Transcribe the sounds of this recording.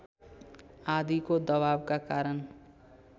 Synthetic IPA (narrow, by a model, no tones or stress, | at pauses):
ad̪ikod̪ʌbabkakaɾʌn